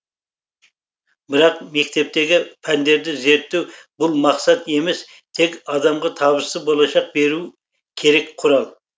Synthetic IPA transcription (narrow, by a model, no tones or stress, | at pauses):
bɪɾɑqme̞kʲt̪e̞p̚t̪e̞ɡʲɪpʰænd̪e̞ɾd̪ɪze̞ɾt̪ːewbʊlˠmɑqsɑt̪e̞mes | t̪ʰe̞kʲɑd̪ɑmʁɑt̪ʰɑβɨst̪əbolˠɑʃɑq̚be̞ɾu | kʲʰe̞ɾekqʰʊɾɑlˠ